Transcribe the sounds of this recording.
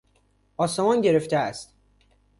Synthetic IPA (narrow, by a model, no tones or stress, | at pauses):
ʔɒːsemɒnɟe̞ɾe̞ft̪ʰeæst̪